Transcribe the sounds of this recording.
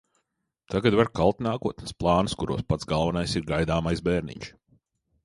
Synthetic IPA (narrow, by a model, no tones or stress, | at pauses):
t̪ʰaɡad̪vaɾkalˠt̪naːkuɔt̪nʲsplˠɑːnskuɾuɔspat̪zɡalˠvanajsiɾɡajd̪aːmajsbɛːɾnḭɲʃ